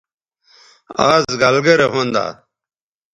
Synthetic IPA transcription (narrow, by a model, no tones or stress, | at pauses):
aːzɡalɡɐɾeɦond̪a̰ː